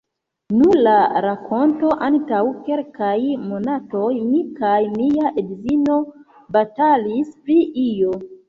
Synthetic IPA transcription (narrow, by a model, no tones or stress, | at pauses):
nulaɾakʰo̞nto̞ʔantawke̞lkajmo̞nato̞jmikajmiaʔedzino̞ | batalispɾiʔijo̞